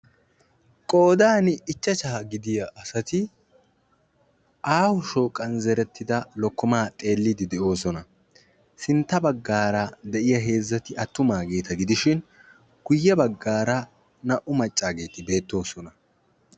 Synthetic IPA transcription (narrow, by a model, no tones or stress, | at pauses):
kʼo̞ːd̪aːnɪɪt͡ʃːɐt͡ʃɐɐɡɪd̪ɪjɐʔːsɐt̪ɪ | ʔaːwʊʃo̞ːkʼːɐnzɛɾɛt̪ːɪd̪ɐlɔkːɔmaːt̪ʼe̞ːlːɪd̪ɪd̪ɛo̞ːsɔnɐ | sɪnt̪ːɐbɐɡːaːɾɐd̪ɛʔɪjɐɦe̞ːzːɐt̪ɪʔɐt̪ːʊmaːɡe̞ːt̪ʰɐɡɪd̪ɪʃɪn | ɡ̥ʊjːɐbɐɡːaːɾɐ | nɐʔʊmɐt͡ʃʼːaːɡe̞ːt̪ɪbe̞ːt̪ːo̞ːsɔnɐ